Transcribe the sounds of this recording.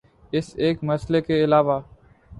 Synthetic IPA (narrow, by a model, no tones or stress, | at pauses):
ɪseːkməslekeːɪlaːʋaː